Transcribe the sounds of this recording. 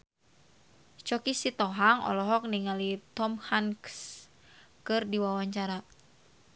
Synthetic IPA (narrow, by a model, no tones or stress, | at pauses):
t͡ʃɔkisit̪ɔɦaŋɔ̰lɔɦɔk̚niŋalit̪ɔmhanks | kɨrdiwawaɲt͡ʃaɾa